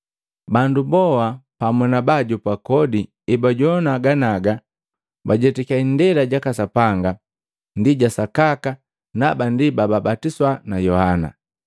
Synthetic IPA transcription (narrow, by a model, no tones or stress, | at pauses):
bandubɔwapamɔnabaɟupakɔdi | ibaɟɔnaːɡanaɡa | baɟɛtikaindɛɾaɟakasapaŋɡa | ndiɟasakaka | nabandibababatiswanajɔhana̰